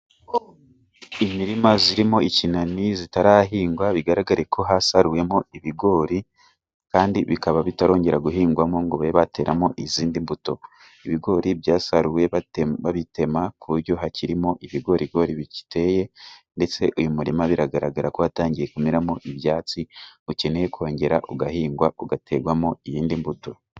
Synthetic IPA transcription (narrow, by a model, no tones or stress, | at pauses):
imiɾimaziɾimo̞icinanizitaɾaɦiːŋɡwaβiɡaɾaɡaɾekʰo̞ɦasaɾuje̞mo̞iβiɡo̞ːɾi | kaːndiβikaβaβitaɾo̞ːɲɟe̞ɾaɡuɦiːŋɡwamo̞ŋɡoβeβate̞ːɾamo̞ʔiziːndimbuto̞ | iβiɡo̞ːɾibjaːsaɾuwe̞βaβite̞makuuɾjo̞ɦaciɾimo̞ʔiβiɡo̞ːɾiɡo̞ɾiβici̥tʰe̞je̞nde̞t͡se̞ʔujumuɾimaβiɾaɡaɾaɡaɾakohataːɲɟije̞kumiɾamo̞ʔiβjaːt͡siuce̞nejekʰo̞ːɲɟe̞ɾaʔuɡahiːŋɡwauɡate̞ɡwamo̞ijiːndimbuto̞